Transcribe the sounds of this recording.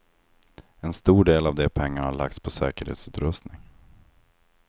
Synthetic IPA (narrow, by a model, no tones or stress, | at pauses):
ɛnst̪uːɖeːlavd̪ɛpʰɛŋːaɳhaɭa̰k̚t̪spʰɔsɛ̰ːkəɾhḛːt̪sʉ̟ːt̪ɾɵst̪nɪŋ